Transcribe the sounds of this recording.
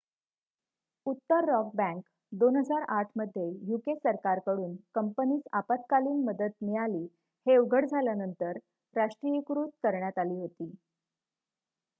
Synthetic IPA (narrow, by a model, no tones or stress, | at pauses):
ut̪ːəɾːɔk̚bæ̃ŋk | d̪onɦəd͡zaɾaʈʰməd̪ʱːjejukesəɾkaɾkəɽuːnkəmpəniːsapat̪̚kaliːnməd̪ət̪̚miɭaliː | heʋɡʱəɽd͡zʱaljanənt̪əɾː | aʂʈɾijəkɾuːt̪̚kəɾɳjat̪aliːɦot̪iː